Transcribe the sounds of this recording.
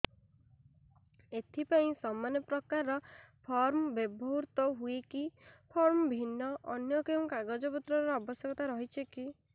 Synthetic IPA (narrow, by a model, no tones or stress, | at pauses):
et̪ʰipaĩsɔmanjɔpɾɔkaɾɔpʰɔɾmbebʱɔɦuɾt̪ɔɦuekipʰɔɾmbʱinːɔʔɔnjɔkeũkaɡɔd͡ʒɔpɔt̪ɾɔɾɾɔabɔsjɔkɔt̪aɾɔɦit͡ʃʰeki